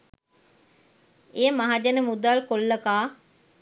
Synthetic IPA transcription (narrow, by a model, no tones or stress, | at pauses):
eːmaɦad͡ʒenəmud̪alkolːəkaː